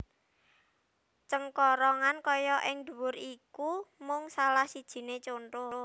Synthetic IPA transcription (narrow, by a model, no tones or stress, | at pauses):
t͡ʃəŋkɔɾɔŋankɔjɔʔɪŋd̪̥ṳwʊrikumʊŋsalahsid̥ʒ̥i̤net͡ʃonʈʊ